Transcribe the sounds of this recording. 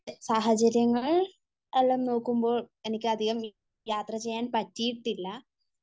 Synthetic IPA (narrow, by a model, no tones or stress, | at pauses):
saːɦɐt͡ɕɐɾjɐŋːɐɭ | eɭːɐmno̞ːkːumbo̞ːɭe̞nikʲːɨɐd̪ʱiɣɐm | jaːt̪rɐt͡ɕe̞jːaːnpɐtːijiʈːilːɐ